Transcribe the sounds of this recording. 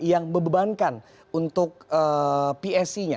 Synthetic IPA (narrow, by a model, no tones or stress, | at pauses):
jaŋməbəbankan | unt̪ʊk̚əpiɛsiɲa